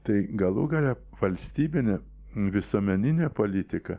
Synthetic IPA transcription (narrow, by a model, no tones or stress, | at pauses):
t̪ɐɪɡɐlˠuɡɐlʲɛ | ʋɐlʲsʲt̪ʲiːbʲɪnʲɛ | ʋʲɪsoɔːmʲɛnʲɪnʲepoːlʲɪt̪ʲɪkɐ